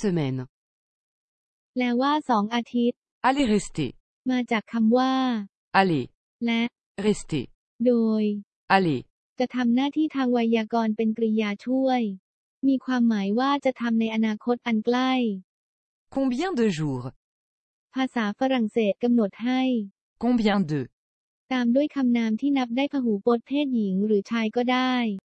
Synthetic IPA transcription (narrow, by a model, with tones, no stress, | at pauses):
səmɛn | lɛː˦˥waː˥˩sɔː˩˦ŋʔaː˧t̪ʰi˦˥t̪̚ | aleʁe˦st̪ḛ | maː˧t͡ɕaː˨˩kʰːa˧mwaː˥˩ | ale | lɛ˦˥ | ʁe˦st̪ḛ | doː˧j | ale | t͡ɕa˨˩t̪ʰa˧mnaː˥˩t̪ʰiː˥˩t̪ʰaː˧ŋwa˧jaː˧kɔː˧npe˧nkɾi˧jaː˧t͡ɕʰu˥˩əj | miː˧kʰwaː˧mːaː˩˦jwaː˥˩t͡ɕa˨˩t̪ʰa˧mna˧jʔa˧naː˧kʰo˦˥t̪̚ʔa˧nkla˥˩j | kɔ̃bjɛ̃d̪əʒuːʁ | pʰaː˧saː˩˦fa˧ɾa˨˩ŋseː˨˩t̪̚ka˧mno˨˩t̪̚ɦa˥˩j | kɔ̃bjɛ̃d̪ə | t̪aː˧mdu˥˩əjkʰa˧mnaː˧mt̪ʰiː˥˩na˦˥p̚daː˥˩jpʰaː˧ɦuː˩˦poː˦˥t̪̚pʰeː˥˩t̪̚ji˩˦ŋɾɯː˩˦t͡ɕʰaː˧jkɔː˥˩daː˥˩j